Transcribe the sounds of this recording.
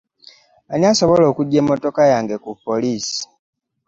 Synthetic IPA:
aɲaso̞βo̞lo̞ːkuɟːeːmːo̞to̞kajaːŋɡe̞kupːoliːsi̥

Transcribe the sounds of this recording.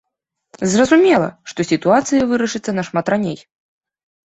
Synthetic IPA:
zrɐzumʲɛlˠɐ̰ʂt̪ɔsʲit̪uat̪sɨjɐvɨɾɐʂɨt̪sːɐnɐʂmat̪ranʲej

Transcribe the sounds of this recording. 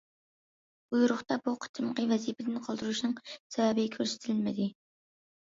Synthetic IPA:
b̥ujuɾʊχt̪ɑbuqʰə̥t͡ʃʰɨmqəvɛzipʰɪd̪ɪnqʰɑlˠd̪ɨɾuʃnɨŋsɛwɛbɪkʲʰøɾsɪ̥t̪ʰɪlɪlmɪd̪ɪ

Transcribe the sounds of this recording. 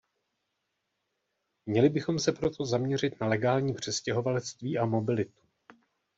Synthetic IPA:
mɲɛlɪbɪxo̞msɛpɾo̞t̪ʰo̞zamɲɛr̝ɪt̪nalɛɡaːlɲiːpr̝̥ɛscɛɦo̞valɛt͡st̪viːʔamo̞bɪlɪt̪u̥

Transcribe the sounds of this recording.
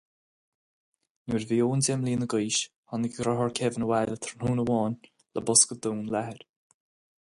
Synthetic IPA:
nuːɹviːoːndɛmliːnəɡəjʃ | hɔnəɡɡɾɔɦɔɹkʰɛvənəwɛːlət̪ʰəɹnhuːnəwɔːn | ləbʊskəd̪uːnlahəɾ

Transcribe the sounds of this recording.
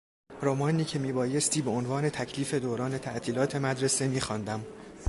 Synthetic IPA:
ɾomɒːniːcʰe̞miːbɒːje̞st̪ʰiːbeonvɒːne̞t̪ʰæcʰliːfe̞d̪oːɾɒːne̞t̪ʰæʔt̪ʰiːlɒːt̪ʰe̞mæd̪ɾe̞se̞miːxɒːnd̪æm

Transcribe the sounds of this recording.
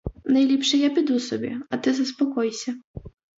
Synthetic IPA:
nɐjlʲipʂɛjapʲid̪usɔbʲɛ̰ɐt̪ɨzɐspɔkɔjsʲɐ

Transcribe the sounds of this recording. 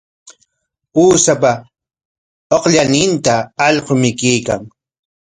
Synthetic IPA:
uːsapa | oqʎanɪnt̪aːʎqomɪkijka̰ŋ

